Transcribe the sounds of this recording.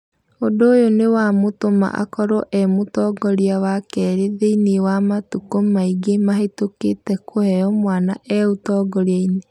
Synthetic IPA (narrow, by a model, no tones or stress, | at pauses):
ondoːjonewamotoma̰ʔa̰kɔɾɔʔɛmotɔɡɔɾiawakɛɾeðeinewamatukomaiɡemaɦetoketɛkʰohɛɔmwanaʔɛotɔɡɔɾeaine